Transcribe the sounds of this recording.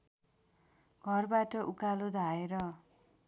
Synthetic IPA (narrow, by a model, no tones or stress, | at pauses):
ɡʱʌrbaʈʌʔukalod̪ʱaeɾʌ